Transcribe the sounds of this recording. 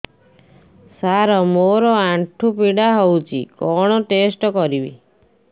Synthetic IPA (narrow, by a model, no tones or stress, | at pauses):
saɾɔmoɾɔaɳʈʰupiɽaɦowt͡ʃʰḭkɔɽ̃ɔʈesʈɔkɔɾibḭ